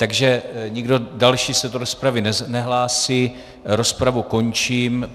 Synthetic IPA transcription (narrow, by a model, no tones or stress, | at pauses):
t̪aɡʒɛɲɪɡdo̞dalʃiːsɛdoɾospɾavɪnɛnɛɦlaːsiː | ɾo̞spɾavuko̞ɲt͡ʃiːm